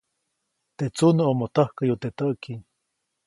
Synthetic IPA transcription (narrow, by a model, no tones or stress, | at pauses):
t̪et͡sunoomot̪ahkajot̪et̪aʔki